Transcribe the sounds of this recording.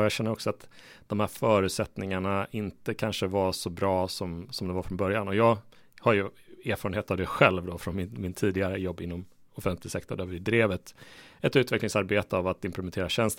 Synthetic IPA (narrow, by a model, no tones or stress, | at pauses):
jɑɡɕɛnːəɾɔksɔat̪d̪̥ɔmhæːɾfœːɾʉ̟t̪sɛt̪nɪŋaɳaɪnt̪əkʰanʂəvasɔbɾɑːsɔmsɔmd̪ɛvaɾfɾɔnbœɾjanɔjɑːɡ | haɾjɵeːɾfɑːɾənheːt̪avd̪ɛɧɛlvd̪ɔfɾɔnmɪnmɪnt̪ʰːiːd̪ɪɡaɾəjɔbːɪnːɔm | ɔfɛnt̪lɪsɛkt̪ɔɖ̪avɪd̪ɾeːvət̪ɛt̪ʉ̟ːt̪vɛklɪŋsaɾbeːt̪əavat̪ɪmpʰlɛmɛnʰeːɾaɕɛnst̪